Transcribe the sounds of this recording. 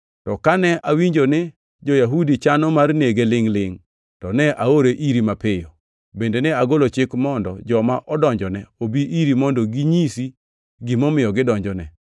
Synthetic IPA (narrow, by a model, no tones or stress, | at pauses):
tɔkanɛʔawiɲd͡ʒonɪ | d͡ʒojaɦudit͡ʃanɔmarneɡelɪŋlɪŋ | tɔnɛʔaoɾeʔiɾimapɪjɔ | bendenɛaɡolot͡ʃɪkmɔndɔ̰d͡ʒɔmaʔɔdɔɲd͡ʒɔnɛobiʔiɾimɔndɔɡiɲisi | ɡɪmɔmɪjɔɡɪdɔɲd͡ʒɔnɛ